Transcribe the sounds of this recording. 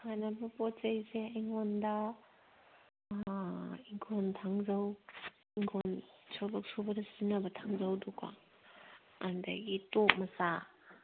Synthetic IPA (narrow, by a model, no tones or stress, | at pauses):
hajnabɐpɔtt͡ʃɐjseaŋondɐ | iŋkʰontʰaŋzɐw | ikʰonsobɔk̚subɐdɐsinɐbɐtʰaŋzɐwdɔka̰ | andɐ̰ɡitok̚mɐsa